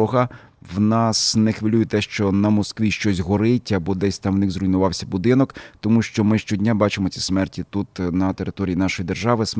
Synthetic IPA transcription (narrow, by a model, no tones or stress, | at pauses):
ɔɦɐ | wnɑsnexʋɪlʲujet̪ɛʃt͡ʃɔnɐmɔskʋʲiʃt͡ʃɔsʲɦɔɾɪtʲɐbɔd̪ɛsʲt̪ɑmwnɪxzrʊjnʊʋɑwsʲɐbʊd̪ɪnɔkt̪ɔmuʃt͡ʃɔmɪʃt͡ʃɔdʲnʲabɑt͡ʃemɔt͡sʲi̥smɛrtʲit̪ut̪nɐt̪eɾɪt̪ɔɾʲijinɑʃɔjid̪erʒɑʋɪs